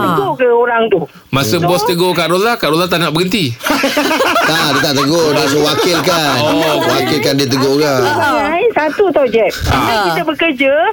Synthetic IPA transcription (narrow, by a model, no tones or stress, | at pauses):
t̪əɡokəoɾaŋt̪u | masəbɔst̪əɡokaʔɾolakaʔɾolat̪aʔnaʔbəɡənt̪i | t̪adiət̪aʔt̪əɡodiməwakɪlkanəwakɪlkandit̪̬əɡokabaŋajsat̪ut̪ɔd͡ʒɛk̚aŋkit̪abəkərd͡ʒə